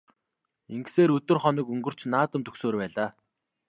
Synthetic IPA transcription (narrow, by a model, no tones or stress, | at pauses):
iŋɡseːɾɵt̪ɵ̆rχɔnĭkɵŋɡɵ̆r̥t͡ɕnaːt̪ə̆mt̪ɵksoːrpæːɮaː